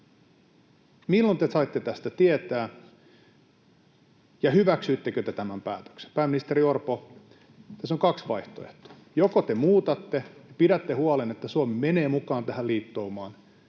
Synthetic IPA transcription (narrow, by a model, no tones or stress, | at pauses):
milːont̪esɑit̪ːet̪æst̪æt̪iet̪æː | jɑhyʋæksyːt̪ːekøt̪et̪æmæmpæːt̪ø̥kse̥mpæːmːinist̪eɾiorpo | t̪æsːoŋkɑksʋɑiht̪oḛht̪o̥ː | jokot̪emuːt̪ɑt̪ːejɑpidæt̪ːehuɑlenet̪ːæsuɑmimene̞ːmukɑːnt̪æhæliːt̪ːoːmɑːn